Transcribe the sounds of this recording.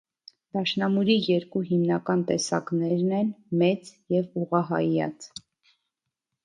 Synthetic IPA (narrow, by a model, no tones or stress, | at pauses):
d̪̥ɑʃnɑmuɾijɛɾkuɦimnɑkɑnt̪ɛsɑ̰knɛɾnɛnmɛt͡sjɛvuʁɑɦɑ̰jɑ̰t͡s